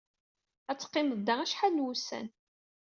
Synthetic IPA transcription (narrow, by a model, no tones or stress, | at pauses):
æt͡sːə̥qːɪnəd̪ːææʃħanːwusæ̰n